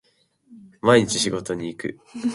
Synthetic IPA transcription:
maiɲ̟it͡ɕiɕiɡo̞t̪o̞ɲ̟iːkɯ̟̰

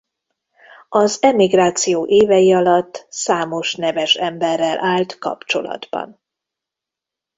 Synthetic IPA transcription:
ɒzɛmiɡraːt̪sijoːʔeːvɛjiɒlɒt̪ːsaːmo̞ʃnɛvɛʃɛmbɛrːɛlʔaːlt̪kɒ̰pt͡ʃo̞̰lɒ̰d̪bɒ̰n

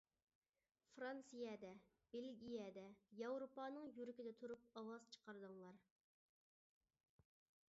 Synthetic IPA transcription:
fɾɑnsijɛd̪ɛ | b̥elɡʲijɛd̪ɛjɑwɾopɑːnɨŋjyɾɪkʲid̪ɛt̪ʰuɾup̚ɑwɑzt͡ʃʰə̥qʰɑɾd̪ɨŋlˠɑɾ

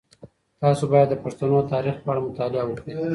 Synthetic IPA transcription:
t̪ɑsobɑjad̪ːəpaʂt̪anot̪ɑɾixpəaɽamʊt̪ɑlɪawəkɽi

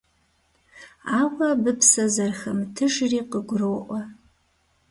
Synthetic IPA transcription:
aːwɐbɨpʰsɐzɐrxɐmtʰɨʐriːqəɡʷʊrowʔʷɐ

